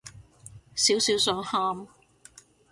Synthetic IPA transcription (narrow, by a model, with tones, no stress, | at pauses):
siː˨˥wsiː˨˥wsœː˨˥ŋhaː˧m